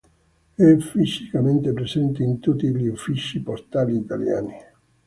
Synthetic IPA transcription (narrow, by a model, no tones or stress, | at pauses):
ɛfisikament̪epɾesɛnt̪eint̪ut̪ːiʎiufːiʃipost̪aːliːt̪alja̰ːni